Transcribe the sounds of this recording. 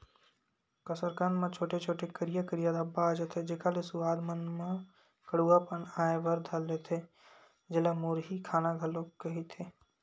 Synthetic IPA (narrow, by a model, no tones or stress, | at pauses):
kəsəɾkənmãt͡ʃʰoːʈet͡ʃʰoːʈekəɾijakəɾijad̪abːaːd͡ʒet̪ʰed͡ʒekalesuaːd̪mənmã | kəɽuapənaːeʋɐɾd̪ʱalːet̪ʰe | d͡ʒɪlamoːɾɦikʰaːnaɡʱɐlokɐɦit̪ʰeː